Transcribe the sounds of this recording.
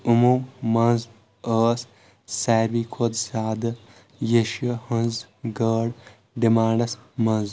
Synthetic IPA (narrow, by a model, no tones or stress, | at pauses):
umomɐnz | əːs | saːɾʋikʰoːd̪saːd̪ɨ | jeʃiɐhɐnz | ɡɐːɽ | ɖimaːɳɖɐsmɐnz